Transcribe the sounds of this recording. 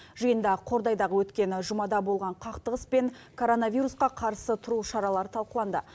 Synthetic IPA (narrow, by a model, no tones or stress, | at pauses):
ʒəjənd̪ɑqʰo̞ɾd̪ɑjd̪ɑʁəwɵt̪kʲe̞nɪʒʊmɑd̪ɑbolˠʁɑɴqʰɑqt̪əʁəspe̞ŋkʰo̞ɾo̞navʲijɾusqɑqʰɑɾsət̪ʰʊɾuʃɑɾɑlˠɑɾət̪ʰɑlˠqəlˠɑnd̪ə